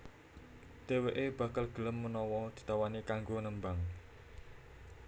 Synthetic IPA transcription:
d̪̥eweʔeb̥ä̤kalɡ̥ə̤ləmːənɔwɔd̪̥i̤t̪awanikaŋɡonəmbaŋ

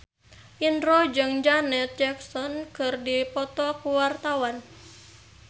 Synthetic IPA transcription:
ʔinrɔd͡ʒɨŋd͡ʒanɛt̪̚d͡ʒɛksɔnkɨrdipɔt̪ɔkuwart̪awan

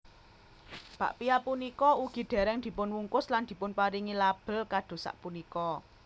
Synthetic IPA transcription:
b̥ä̤ʔpiapunikɔuɡ̥i̤ɖ̪̥ɛ̤ɾɛŋd̪̥i̤pʊnwuŋkʊsland̪̥i̤pʊnpaɾiŋilab̥ə̤lkad̪̥o̤sa̰ʔpunikɔ

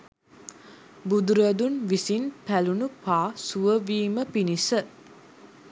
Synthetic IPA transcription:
bud̪uɾəəd̪unʋisinpælunupaːsuʋəʋiːməpinisə

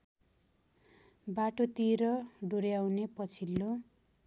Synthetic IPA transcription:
baʈot̪iɾʌɖoɾjawnepʌt͡sʰilːo

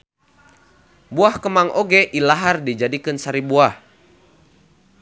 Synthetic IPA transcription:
buahkəmaŋʔɔɡɛʔilaɦardid͡ʒadikɨnsaɾibuah

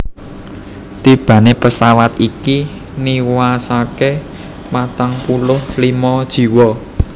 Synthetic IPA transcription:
t̪ib̥ä̤nepəsawat̪iki | niwasake | mat̪aŋpulʊhlimɔd̥ʒ̥i̤wɔ

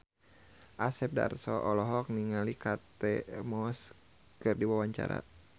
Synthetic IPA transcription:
ʔasɛp̚da̰rsɔʔɔlɔɦɔk̚niŋalikat̪ɛmɔs | kɨrdiwawaɲt͡ʃa̰ɾa̰

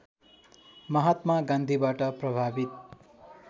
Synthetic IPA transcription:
mʌɦat̪maɡãnd̪ʱibaʈʌprʌbʱabit̪̚

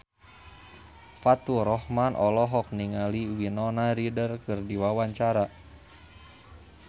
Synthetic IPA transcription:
fat̪uɾɔhmanʔɔlɔɦɔk̚niŋaliwinɔnaɾidərkɨrdiwawaɲt͡ʃaɾa

